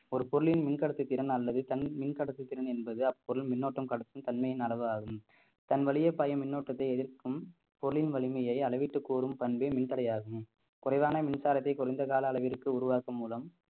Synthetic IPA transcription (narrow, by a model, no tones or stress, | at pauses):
ɔɾɯpɔɾɯɭɪnmɪnkɐɽɐt̪ːɯt̪ːɪɾɐnɐlːɐðɯt̪ɐnmɪnkɐɽɐt̪ːɯt̪ːɪɾɐnɛnbɐðɯɐpːɔɾɯlmɪnːoːʈːɐmkɐɽɐt̪ːɯmt̪ɐnmɐjɪnɐlɐʋɯaːɣɯm | t̪ɐnʋɐɭɪjɐpːajɐmɪnːoːʈːɐt̪ːɐɪɛðɪrkɯm | pɔɾɯɭɪnʋɐɭɪmɐjɐɪɐɭɐʋɪʈːɯkːuːɾɯmpɐnbeːmɪnt̪ɐɽɐjaːɣɯm | kʊrɐɪʋaːnɐmɪnsaːɾɐt̪ːɐɪkʊrɐɪnd̪ɐkaːlɐːlɐʋɪɾkːɯʊɾʊʋaːkɯmːuːlɐm